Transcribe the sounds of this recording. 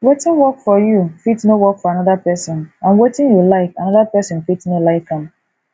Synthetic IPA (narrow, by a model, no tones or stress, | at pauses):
wetɪ̃nwɔkfɔjufitnowɔkfɔanɔðapɛsɔ̃nãnwetɪ̃njulaɪkanɔðapɛsɔ̃nfitnolaɪfɛ̃m